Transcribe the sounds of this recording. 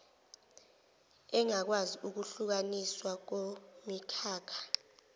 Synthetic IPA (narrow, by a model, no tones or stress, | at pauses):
ɛŋak̬waziuk̬uɬuk̬aniswak̬omikʰaːkʰḁ